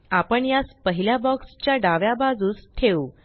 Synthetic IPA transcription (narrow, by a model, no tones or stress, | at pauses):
apəɳjaspəɦiljabɔkst͡ɕjaɖaʋjabad͡zuːst̪ʰeu